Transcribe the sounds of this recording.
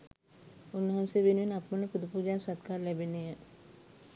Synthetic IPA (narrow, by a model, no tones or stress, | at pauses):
unːəɦanseʋenʋinɐpmənəpud̪ʱəpuːd͡ʒaːsad̪̚kaːɾlɛbenejə